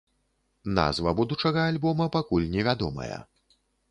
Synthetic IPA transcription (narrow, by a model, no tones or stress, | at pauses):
na̰zvɐbud̪ut͡ʂɐɣɐːlʲbɔmɐpakulʲnʲɛvʲad̪ɔmɐ̰jɐ̰